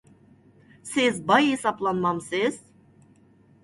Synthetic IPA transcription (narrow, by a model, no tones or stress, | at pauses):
sizbajhisaplˠanmamsiz̥